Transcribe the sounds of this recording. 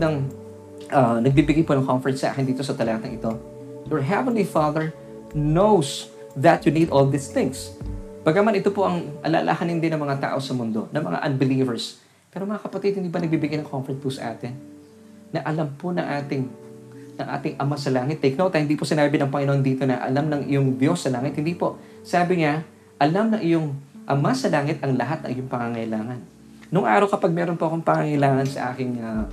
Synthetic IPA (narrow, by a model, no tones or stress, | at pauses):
d̪ɐŋ | ʔɐnɐɡ̚bibɪɡajponɐŋkomfɛɹt̪sɐʔa̰ːkɪnd̪iːt̪osɐt̪ɐlaːt̪ɐŋʔɪt̪o̞ | jɔɹɦɛvɛnlifaðɛɹ | nows | ðɐt̪juniːd̪old̪ɪst̪ɪ̃ŋsb̥aɡamanʔɪt̪opo̞ʔɐŋʔɐ̰lɐ̰ʔːlʔa̰hanɪnd̪ɪnɐŋmɐŋat̪a̰ːʔo̞sɐmʊnd̪o̞nɐŋmɐ̰ŋa̰ʔɐnbɪliːvɛɹs | pɛːɾomɐŋakɐpɐt̪ɪd̪hɪnd̪iːbɐnɐɡ̚biːbɪɡajnɐŋkʰomfɛɹt̪̚pusɐ̰ʔa̰ːt̪ɪnː | ɐʔɐlamponɐŋʔaːt̪ɪŋnɐŋʔa̰ːt̪ɪŋʔɐmasɐlaːŋɪt̪ːɛjk̚nowt̪ːɐhɪnd̪iposɪnaːbɪnɐŋpɐŋɪnohond̪iːt̪o̞nɐ̰ʔɐ̰lamnɐŋʔɪ̰joŋd̪jo̞sːɐlaːŋɪt̪̚hɪnd̪iːpo̞ | saːbɪŋa | ʔɐlamnɐʔɪjoŋʔɐmasɐlaːŋɪt̪ɐŋlɐɦat̪̚nɐ̰ŋʔɪjoŋpɐŋaŋɐʔɪlaːŋɐnː | ʊŋʔa̰ːɾɐwkɐpaɡ̚mɛːɾonpoʔɐkoŋpɐŋaŋɐɪlaːŋɐnsɐ̰ʔaːkɪŋa